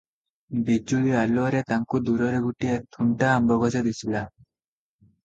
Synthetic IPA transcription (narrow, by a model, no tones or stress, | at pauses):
bid͡ʒulialuɔɾet̪aŋkud̪uɾɔɾeɡuʈijet̪ʰuɳʈaːmbɔɡɔd͡ʒɔd̪isʰila